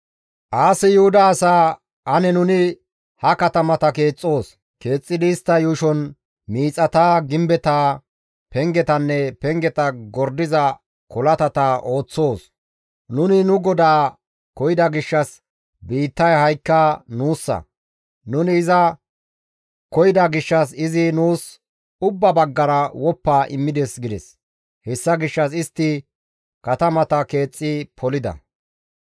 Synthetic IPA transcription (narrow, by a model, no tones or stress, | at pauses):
ʔaːsɪjʊhʊd̪ɐːsaː | ɐnɛnʊnɪ | hɐkɐt̪ɐmɐt̪ɐke̞ːt͡sʼːo̞ːs | ke̞ːt͡sʼːɪd̪ɪːst̪ːɐjʊʃɔn | miːt͡sʼːɐt̪aːɡɪmbɛt̪aː | pɛŋɡɛt̪ɐnːɛpɛŋɡɛt̪ɐɡɔɾd̪ɪzɐ | kɔlɐt̪ɐt̪ɐʔo̞ːt͡sːo̞ːs | nʊnɪnʊɡɔd̪aː | kɔjɪd̪ɐɡɪʃːɐs | biːt̪ːɐjhɐjkːɐnuːsːɐ̰ | nʊnɪːzɐ | kɔjɪd̪ɐɡɪʃːɐs̬ɪzɪnuːs | ʊbːɐbɐɡːɐɾɐwɔpːaːʔɪmːɪd̪ɛsɡɪd̪ɛ̰s | hɛsːɐɡɪʃːɐs̬ɪst̪ːɪ | kɐt̪ɐmɐt̪ɐke̞ːt͡sʼːɪpʰɔlɪd̪ɐ̰